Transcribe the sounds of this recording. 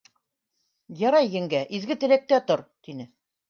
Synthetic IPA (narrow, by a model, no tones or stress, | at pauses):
jɑɾɑjːɘ̆ŋɡæʔizɡɘt̪ɘ̆læk̚t̪æt̪oɾt̪inɘ